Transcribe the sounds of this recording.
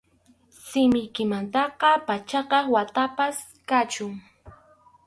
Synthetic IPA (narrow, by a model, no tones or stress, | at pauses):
sɪmɪjkɪmant̪ɑqɑpat͡ʃɑqɑwat̪apas | kat͡ʃʊŋ